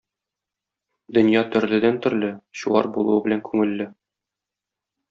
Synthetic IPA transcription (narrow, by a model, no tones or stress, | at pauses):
d̪ɵ̆njɑt̪ɵ̆ɾlɘ̆d̪ænt̪ɵ̆ɾlɘɕuwɑ̰ɾbulˠṵɤbɘ̆læŋkʉŋɘ̆lːɘ